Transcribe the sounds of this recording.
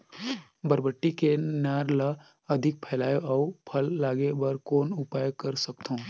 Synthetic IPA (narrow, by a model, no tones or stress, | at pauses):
bəɾbəʈːikenaːɾla | ɐd̪ʱɪk̚pʰɛːlaːjoɔpʰɐlːaːɡebɐɾkoːnʊpaːjkɐɾsəkt̪ɦõː